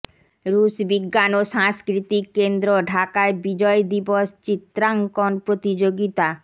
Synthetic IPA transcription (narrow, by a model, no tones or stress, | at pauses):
ɾusbiɡːanoʃaŋskɾit̪ikːend̪ɾoɖʱakaebid͡ʑɔed̪iboʃt͡ɕit̪ːɾaŋkonpɾot̪id͡ʑoɡit̪a